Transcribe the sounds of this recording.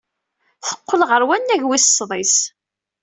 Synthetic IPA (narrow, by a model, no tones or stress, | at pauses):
θə̥qːəlʁəɾwænːæʝwissːðˤis